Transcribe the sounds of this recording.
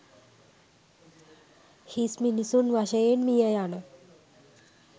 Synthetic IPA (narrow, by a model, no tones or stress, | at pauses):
hisminisuːnʋaɕəjenmijəjanə